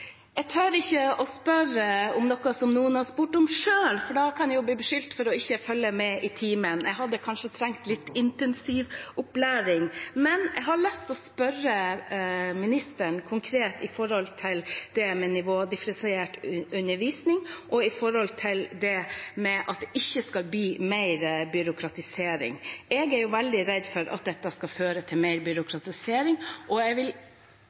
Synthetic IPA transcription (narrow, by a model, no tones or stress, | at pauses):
ɛɡt̪ʰøːɾɪçːəɔspœɾəɔmnɔkɑsɔmnuːənhɑɾspuːʈɔmʂøːlfɔɖɑkʰɑnjʊbliːbəʂʏlt̪fɔɾɔɪçːəfœlːəmɛʔɪt̪ʰiːmənʔɛɡɦɑd̪ːəkʰɑnʂət̪ʰɾɛŋk̚t̪lɪt̪ːɪnt̪ɛnsiʋʔʊplæːɾɪŋmɛnɛ̰ɡɦɑɭɛst̪ɔspœɾə | mɪnɪst̪əɳkʰʊŋkʰɾeːt̪ʰɪfɔɾhɔlt̪ʰɪld̪̥ɛmɛnɪʋoːd̪ɪfɾɛnseːʈʉnːəʋiːsnɪŋʔɔɪfɔɾhɔlt̪ʰɪld̪ɛmɛʔɑ̰t̪̚d̪ɛʔɪçːəskɑlbyːmeɪɾbʏɾʊkʰɾɑt̪ɪseːɾɪ̰ŋɛɡæɾjʊʋɛld̪ɪɾɛd̪fɔɾʔɑ̰t̪̚d̪ɛt̪ːɑskɑføːɾət̪ʰɪlmeɪɾbʏɾʊkʰɾɑt̪ɪseːɾɪŋʔɔɛɡʋɪl